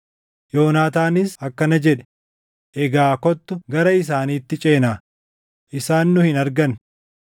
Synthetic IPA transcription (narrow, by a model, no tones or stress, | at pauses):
jo̞ːnaːt̪aːnɪsɐkːɐnɐd͡ʒɛᶑɛ̥ | ʔɛɡaːkɔt̪ːʊɡɐɾɐɪs̬aːniːt̪ːɪt͡ʃʼe̞ːnaː | ʔɪsaːnːʊhɪnɐɾɡɐn